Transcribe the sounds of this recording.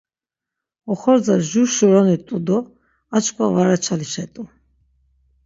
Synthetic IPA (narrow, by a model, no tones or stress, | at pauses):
ɔχɔɾd͡zaʒuʃɔɾɔnit̪ʼud̪ɔ | at͡ʃkʰwavaɾat͡ʃʰaliʃɛt̪ʼu